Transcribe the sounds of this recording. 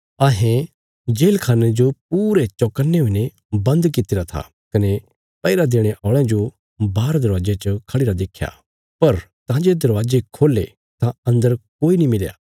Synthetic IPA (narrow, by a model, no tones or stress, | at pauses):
aːɦẽ | d͡ʒeːlkʰaːned͡ʒop̚uːɾet͡ʃɔkənːeɦuine | bɐ̃nd̪kɪt̪ɪɾat̪ʰa̰ | kɐne | pɐɪɾad̪eːɽ̃eʔɔːɭ̃ãd͡ʒo | baːɾd̪ɐɾʋaːd͡ʒet͡ʃkʰəɽiɾad̪eːkʰːja̰ | pɐɾt̪ãːd͡ʒed̪ɐɾʋaːd͡ʒekʰoːlḛ | t̪ãɐ̃nd̪əɾkoːinĩmɪlja̰ː